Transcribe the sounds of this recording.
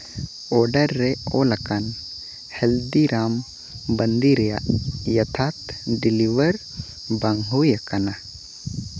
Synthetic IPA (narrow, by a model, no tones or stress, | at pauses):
ɔɾɖəɾːɛolɐkan | hɛld̪iɾam | bənd̪iɾɛja̰ʔjɐt̪ʰat̪ɖiliʋəɾ | baŋɦujakana